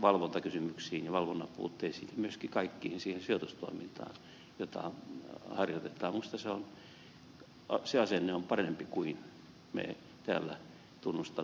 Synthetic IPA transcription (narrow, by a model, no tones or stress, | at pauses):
ʋɑlʋont̪ɑkysymyksiːnjɑʋɑlʋonːɑpṵːt̪ːeisḭːnɑmyøskikɑikːiːhinsiːhensiot̪ust̪o̰imint̪ɑ̰ːn | jot̪ɑ̰hɑrjot̪et̪ˑɑːmmust̪ɑseon | seɑsenːeompɑrempikuin | mḛ | t̪æ̰ːlːæ | t̪unːust̪ɑ